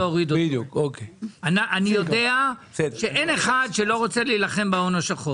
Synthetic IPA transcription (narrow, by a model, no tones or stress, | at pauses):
ooʁid̪odjukokeanaʔanijo̞deaʃeʔeneχadʃelo̞ʁot͡selilaχe̞mbaonoʃaχo